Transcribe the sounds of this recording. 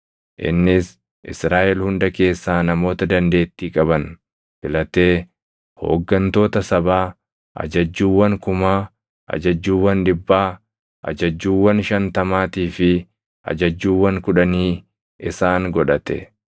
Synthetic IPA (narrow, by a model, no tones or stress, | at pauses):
ʔɪ̰nːɪs | ʔɪsɾaːʔɛlhʊnd̪ɐke̞ːsːaːnɐmo̞ːt̪ɐd̪ɐnd̪e̞ːt̪ːiːkʼɐbɐn | fɪlɐt̪e̞ː | ho̰ːɡːɐnt̪o̞ːt̪ɐsɐbaː | ʔɐ̰d͡ʒɐd͡ʒːuːwːɐŋkʊmaː | ʔɐ̰d͡ʒɐd͡ʒːuːwːɐnd̪ɪbːaː | ʔɐ̰d͡ʒɐd͡ʒːuːwːɐnʃɐnt̪ɐmaːt̪iːfɪ | ʔɐ̰d͡ʒɐd͡ʒːuːwːɐŋkʊᶑɐniː | ʔɪsaːŋɡɔᶑɐt̪ɛ̰